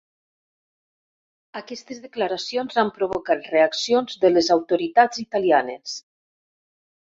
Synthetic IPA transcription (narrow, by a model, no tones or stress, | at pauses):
akɛst̪ezðəklaɾasionzampɾoβ̞okat̪reaksionzðəlezawt̪oɾit̪ad͡zit̪alianes